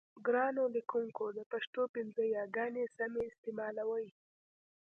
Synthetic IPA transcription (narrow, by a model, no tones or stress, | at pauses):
ɡɾɑnolikuŋkod̪əpaʃt̪opɪnzəjɑɡɑnesameɪst̪emɑlawəj